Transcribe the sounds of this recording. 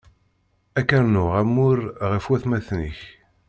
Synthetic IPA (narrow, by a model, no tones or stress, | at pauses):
ækːəɾnʊʁæmːʊɾʁəfwæθmæθnə̰ç